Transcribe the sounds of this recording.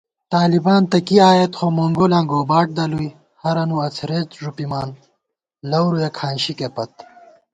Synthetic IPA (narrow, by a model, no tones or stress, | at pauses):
t̪aːlibaːnt̪ɐkiaːjet̪xomoŋɡolãŋɡoːbaːʈ̚d̪ɐluj | hɐɾɐnuɐt͡sʰɾet͡sʐupimaːn | lɐwɾujekʰaːnɕikepɐt̪